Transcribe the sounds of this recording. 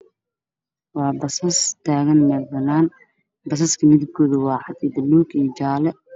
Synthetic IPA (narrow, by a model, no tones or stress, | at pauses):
wɑːbɐsɐst̪ʰaːɣɐnmɛːlbɐnaːn | bɐs̬ɐskʰɐmɪðɪɡʰɔːðɐwɑːħɑd̪id̪ɐluːɡijt͡ʃaːlɛ